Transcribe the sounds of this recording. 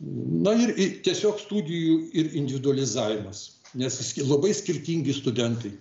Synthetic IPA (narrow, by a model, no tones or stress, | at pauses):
nɐɪrɪt̪ʲiɛsʲoːkst̪uːd̪ʲɪjuːɪɾɪnʲd̪ʲɪʋʲɪd̪ʊɐlʲɪzɑːʋʲɪmɐs | nʲɛssʲlˠɐbɐɪsʲkʲɪrʲt̪ʲiːŋʲɡʲɪst̪ʊd̪ʲɛnt̪ɐɪ